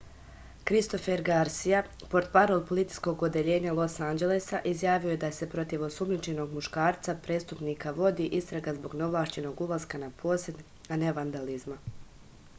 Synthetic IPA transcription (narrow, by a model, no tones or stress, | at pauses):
kɾist̪o̞feɾɡaɾsijapo̞ɾt̪paɾo̞lˠpo̞lit̪i̥sko̞ɡod̪eʎe̞ːɲalˠo̞sand͡ʒe̞lesaʔizjaːʋio̞je̞d̪aese̞pɾo̞t̪iʋo̞sumnit͡ʃe̞no̞ɡmuʃkaːɾt̪sapɾe̞ːst̪upniːkaʋo̞d̪iʔist̪ɾaɡazbo̞ɡno̞ʋlˠaːʃt͡ɕe̞no̞ɡulaskanapʰo̞ːsed̪ | ane̞ʋand̪alizma